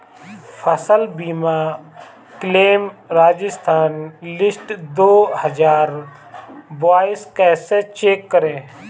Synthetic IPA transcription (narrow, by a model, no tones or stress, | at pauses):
fʰəsəlbiːmaː | kleːmɾaːd͡ʒɪst̪ʰaːnlɪsʈd̪oːhəd͡ʒaːɾ | baːɪskɛːset͡ʃeːkːəɾẽː